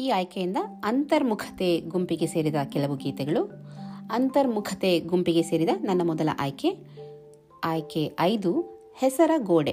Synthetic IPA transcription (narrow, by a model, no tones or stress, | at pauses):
iːaːjkejind̪ɐɐnt̪ɐɾmukʰɐ̥t̪eɡumpiɡe̞se̞ːɾid̪ɐkɛlɐʋuɡiːt̪ɛɡɐɭuɐnt̪ɐɾmukʰɐt̪eɡumpiɡe̞se̞ːɾid̪ɐnɐnːɐmɔd̪ɐlɐ̰ʔaːjke | aːjkeɐjd̪u | hɛsɐɾɐɡoːɖḛ